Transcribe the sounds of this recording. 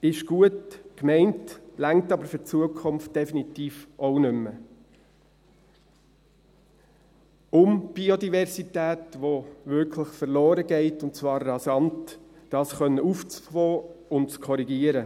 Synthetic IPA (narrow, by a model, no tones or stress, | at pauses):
ɪʃɡ̥uətkmɛɪntlæŋ̚tɑbəɾfʏt͡suəkʰʊmft̚d̥ɛfinitiːfʔɔʊnʏmːə | ʊmb̥iodivɛɾsitæːtʋoʋʏɾkʰləχfəɾlɔːɾəɡɛɪtʊntt͡svɑːɾːɑsɑntːɑːsχœnːəuft͡sfɔːʊntt͡skʰɔɾiɡiəɾə